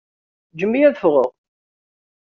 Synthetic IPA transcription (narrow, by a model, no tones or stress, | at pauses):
d͡ʒəmːijæðəfʁəʁ